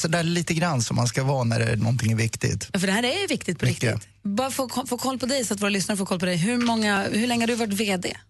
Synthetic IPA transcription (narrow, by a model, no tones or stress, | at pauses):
sɔd̪ɛæliːt̪əɡɾanːsɔmːanskavɑːnæ̰ɖɛ̰nɔ̰nt̪ʰɪŋːæɾvɪkt̪ɪ̰ɡt̪jɑːfəɖɛhæːɾæjvɪkt̪ɪt̪pʰɔɾɪk̚t̪ɪ̰t̪ | bɑːɾafoːkʰɔfoːkʰɔlːpʰɔd̪ɛjsɔat̪voːɾalʏsnaɾəfoːkʰɔlːpʰɔd̪ɛjɦɵɾmɔŋːahɵɭɛŋːəad̪ɵhavaʈveːd̪ḛː